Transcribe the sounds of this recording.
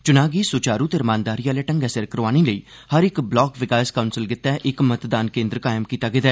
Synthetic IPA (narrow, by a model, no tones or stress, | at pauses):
t͡ʃʊnaːɡiːsʊːt͡ʃaːɾut̪eɾmãːnd̪aːɾiːaːleːʈə̃ŋɡɛːsəɾkəɾʋaːniːləiː | həɾɪkblɔːkʋɪkaːskaʊnsɪlɡɪt̪ːɛːʔɪkmət̪d̪aːnkẽːnd̪ɾkaːɪmkiːt̪aːɡəːd̪aː